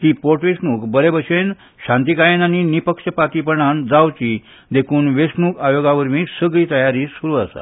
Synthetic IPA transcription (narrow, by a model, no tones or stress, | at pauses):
t̪iːpoʈʋesnuːkbəɾebəɕen | ɕãnt̪ikajenaninipəkʂəpat̪ipəɳand͡zawt͡ɕiː | d̪ekʰuːnʋesnuːkajoɡaʋəɾmiːsəɡɭiːt̪əjaɾiːsuɾuːasa̰